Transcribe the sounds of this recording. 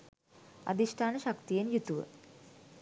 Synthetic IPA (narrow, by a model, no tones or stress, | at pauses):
a̰d̪isʈʰaːnəʃakt̪ijenjut̪uʋə̰